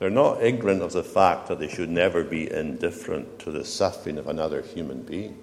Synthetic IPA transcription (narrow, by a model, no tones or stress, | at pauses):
ðə˞nəʔɪɡ̚nə̃nʔəvðəfak̚ðəʔ̪̚ðeʃɨdⁿnɛvə˞biʔɪ̰̃ndɪfɹə̰̃ntʰəðəsʌfɹɪ̃ŋʌvənʌðə˞hjʉmə̃nbiɪ̃ŋ